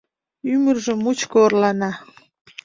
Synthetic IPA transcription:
ymərʒəmut͡ɕkoːrlɑnɑ

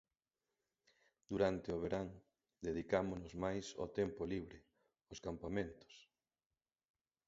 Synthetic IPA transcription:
d̪̥uɾant̪ɪoβeɾaŋ | d̪eðikamonʊzmajso̰t̪empoliβ̞ɾɪ | oskampamẽnt̪ʊ̥s

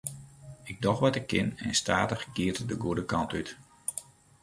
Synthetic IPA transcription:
ɪɡ̚dɔxʋɔtɪkːɪnɛ̰nsta̰ːtəχɡ̥iətdəɡuədəkɑntyt

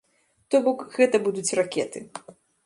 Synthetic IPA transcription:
t̪ɔbɔkɣɛt̪ɐbud̪ut͡sʲrakʲɛt̪ɨ

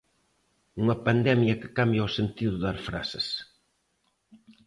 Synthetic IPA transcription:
uŋɐpand̪ɛmjɐkɪ̥kambjaosent̪iðʊðaɾfɾa̰sɪs

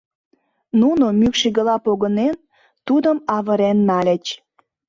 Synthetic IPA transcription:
nunomykʃiɣəlɑpoɣənen | t̪ud̪əmɑβəɾenmælʲĕt͡ɕ

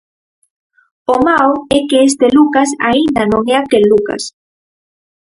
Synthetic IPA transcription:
omawekeest̪elukasa̰ind̪anõŋeakelːuka̰s

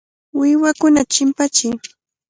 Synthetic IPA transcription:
wɪwakʊnat͡ʃɪmpat͡ʃɪj

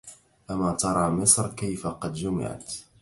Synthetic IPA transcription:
ʔamat̪ɑɾˤɑːmɪsˤɾkajfaqɑd̪d͡ʒʊmɪ̰ʕa̰t̪

